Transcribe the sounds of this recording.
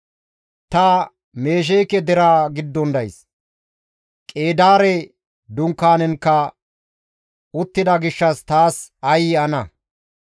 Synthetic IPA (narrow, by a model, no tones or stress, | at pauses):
t̪ɐ | me̞ːʃ̬ɛjkːɛd̪ɛɾaːɡɪd̪ːɔnd̪ɐjs | kʼe̞ːd̪aːɾɛ | d̪ʊŋkːaːnɛnkːɐ | ʊt̪ːɪd̪ɐɡɪʃːɐst̪aːsɐjɪɐnɐ